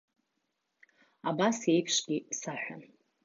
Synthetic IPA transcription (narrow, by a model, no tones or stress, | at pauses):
abasejpʰʂɡʲisaħʷᶣa̰n